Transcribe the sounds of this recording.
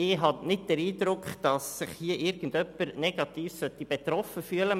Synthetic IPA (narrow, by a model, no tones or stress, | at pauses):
ɪɦɑnɪt̚d̥ɛɾiːd̪ɾʊkχd̥ɑsːɪχhiːəʔɪɾɡ̥ən̩dœpːəɾnɛɡ̥ɑt̪iːfsœtːib̥ɛt̪ɾɔfəfyːələ